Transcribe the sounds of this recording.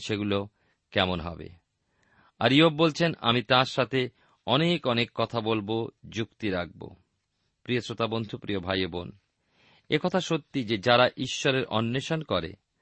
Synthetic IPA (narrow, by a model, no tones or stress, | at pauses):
ʃeɡulo | kɛmonɦɔ̰bḛ | a̰ɾiobbolt͡ɕʰena̰mit̪ãɾʃat̪ʰe | ɔnekɔnekːɔt̪ʰabolbod͡ʑukt̪iɾak̚bo̰ | pɾiosɾot̪abond̪ʱupɾiobʱajobon | ekɔt̪ʰaʃot̪ːid͡ʑed͡ʑaɾaʔiʃːɔɾeɾʔɔ̰nːeʃonkɔɾḛ